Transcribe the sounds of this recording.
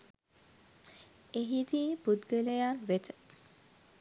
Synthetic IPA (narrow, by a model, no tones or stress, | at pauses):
eɦid̪iːbud̪ɡələjanʋet̪ʰə̥